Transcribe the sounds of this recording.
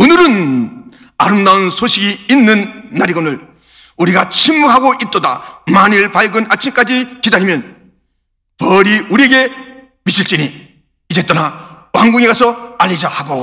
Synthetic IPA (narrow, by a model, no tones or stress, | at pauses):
onɯɾɯn | aɾɯmdaunsʰoɕʰiɡiːnːɯnːaɾiɡʌnɯɭ | uɾiɡat͡ɕʰimːuɦaɡoʔit̚t͈ʌdamaniɭpaɭɡɯnat͡ɕʰimk͈ad͡ʑikidaɾimjʌn | pʌɾiuɾieɡe̞ | miɕʰiɭt͡ɕ͈iniː | d͡ʑe̞t͈ʌna | waŋɡuŋeɡasʰʌaʎːid͡ʑahaɡo